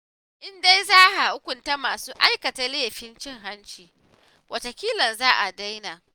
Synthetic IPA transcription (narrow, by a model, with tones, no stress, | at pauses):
ʔɪ˦nda˦jzaː˦ha˨ʔʊ˦kʷʊ˨nta˦maː˨suː˦ʔa˦jkɐ˨ta˦leː˦˨ɸɪ˦nt͡ʃɪ˦˨ŋɦa˦nt͡ʃiː˨ | wʔɐ˨tɐ˨kʲiː˦lɐ˨nzaː˦ʔa˨da˦jnaː˨